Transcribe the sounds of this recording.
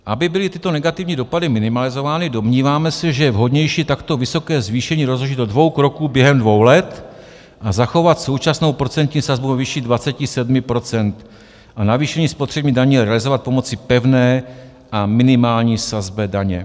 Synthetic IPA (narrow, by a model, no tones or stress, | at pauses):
ʔabɪbɪlɪt̪ɪt̪o̞nɛɡat̪ɪvɲiːdo̞padɪmɪnɪmalɪzo̞vaːnɪdo̞mɲiːvaːmɛsɛʒɛjɛvɦo̞dɲɛjʃiːt̪akt̪o̞vɪso̞kɛːzviːʃɛɲiːɾozɦoʒit̪odvo̞wkɾo̞kuːbjɛɦɛmdvo̞wlɛt̪ | ʔazaxo̞vat̪so̞wt͡ʃasno̞wpɾo̞t͡sɛnt̪ɲiːsazbuvɛvɪʃidvat͡sɛcɪsɛdmɪpɾo̞t͡sɛnt̪ | ʔanaviːʃɛɲiːspot̪r̥ɛbɲiːdaɲiːjɛɾɛalɪzo̞vat̪̚po̞mo̞t͡sɪpɛvnɛː | ʔamɪnɪmaːlɲiːsazbɛdaɲɛ̰